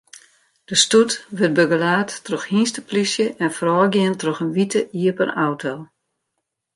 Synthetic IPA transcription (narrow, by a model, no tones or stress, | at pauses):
d̥əstutʋøt̚bøɡəlaːtːroxhinstəplisjəʔɛnfrɔːɡjɪəntroxənʋitəʔiəpə̰nawtʰolˠ